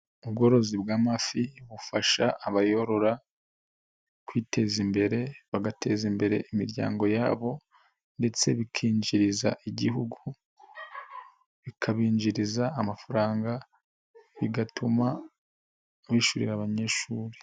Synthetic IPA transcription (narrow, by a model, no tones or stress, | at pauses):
ub̚ɡo̞ɾo̞zibɡaːmafiβufaʃaːβajoɾo̞ɾa | kwiːte̞zimbe̞ɾe̞βaɡate̞zimbe̞ɾe̞̰ʔimiɾɟa̰ːŋɡo̞ja̰ːβo̞ | nde̞t͡se̞βikʰiːɲd͡ʒiɾizaʔiɟiɦuɡu | βikʰaβiːɲd͡ʒiɾizaːmafaɾaːŋɡa | βiɡatʰuma | βiʃuɾḭɾaβaɲe̞ːʃuːɾe